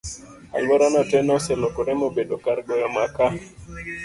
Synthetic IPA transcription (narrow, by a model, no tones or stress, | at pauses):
a̰lwɔɾanatɛnɔsɛlokoɾɛmobeɗokaɾɡɔjamaka